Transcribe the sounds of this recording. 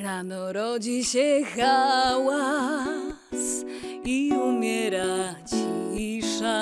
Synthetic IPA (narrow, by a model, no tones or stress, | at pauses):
ɾanoɾod͡ʒiʃeɣawa | siumeɾat͡ʃiiʃa